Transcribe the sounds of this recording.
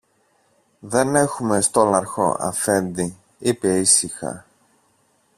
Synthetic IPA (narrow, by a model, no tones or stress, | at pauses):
ðe̞ne̞xume̞st̪olɐɾxo̞̰ʔɐ̰fe̞nd̪i | ipe̞isixɐ̰